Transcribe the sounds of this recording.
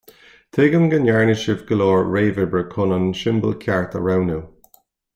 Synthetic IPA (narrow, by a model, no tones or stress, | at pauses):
t̪ʰeɡəmɡənjaɹnɪʃɪvɡəlɔːɹɹeːvɪbəɹkʰʊnanʃɪmbə̰lkʰjaɹt̪ə̰ɹawnuw